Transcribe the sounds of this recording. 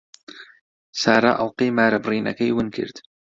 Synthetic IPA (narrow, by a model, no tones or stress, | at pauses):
saːɾˤa̰ːʔawqiːmaːɾˤabɾiːna̰kajwɪnkɪ̰ɾt̪